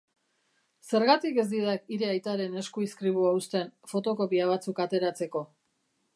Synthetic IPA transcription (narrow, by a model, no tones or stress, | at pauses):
se̞ɾɣat̪ike̞zd̪iðakiɾe̞ajt̪aɾe̞ne̞skuiskɾiβuaust̪e̞nfo̞t̪o̞ko̞piaβ̞at͡sukat̪e̞ɾat͡se̞ko̞